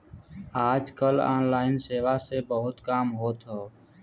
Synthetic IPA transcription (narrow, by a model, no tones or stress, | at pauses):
aːd͡ʒkəla̰ːnlaːɪnseːʋaːseːbəɦʊt̪kaːmɦoːt̪ʰɦoː